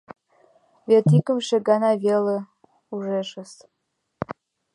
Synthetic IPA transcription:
vet̪ikə̆mʃĕɡɑnɑβʲelə̆ | uʒeʃə̆s

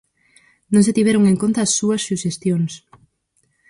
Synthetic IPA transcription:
nõŋset̪iβɛɾoŋẽŋkont̪ɐːsːuɐsːuʃest̪joŋs

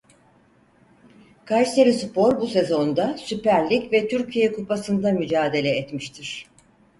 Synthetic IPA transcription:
kʰajseɾispʰo̞ɾbuse̞zo̞nnd̪asypæɾlʲicvɛt̪ʰyɾcʰijɛkʰupʰasɯnd̪amyd͡ʒaːd̪e̞lʲɛːt̪miʃt̪ʰiɾ̥

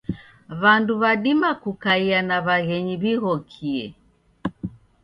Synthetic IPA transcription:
βanduβaɗimakukaianaβaɣɛɲiβiɣɔkʰiɛ̰

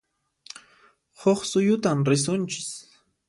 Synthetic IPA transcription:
hoχsʊjʊt̪amɾɪs̬ʊnt͡ʃɪ̥s

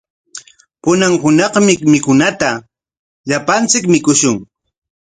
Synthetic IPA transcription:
pʊnaŋhʊnɑχmɪmɪkʊnat̪a | ʎapant͡sɪkmɪkʊʃʊŋ

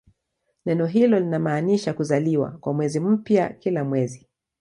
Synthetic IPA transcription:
nɛnɔɦilɔlinamaːniʃakuzaliwa̰kwamwɛzim̩pjakilamwɛzi

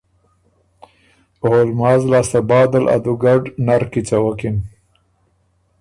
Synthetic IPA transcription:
holmɑːzlɑːst̪abɑːd̪ala̰d̪uɡaɖnaɾkit͡sawakin

